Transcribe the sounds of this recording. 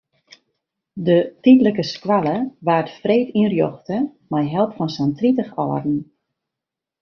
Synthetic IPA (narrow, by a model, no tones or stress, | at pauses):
dətitləkəskwalˠəʋaːtfreːtinrjɔxtə | majɦɛlˠpfɔnsɛntritəxɔ̰ːrdn̩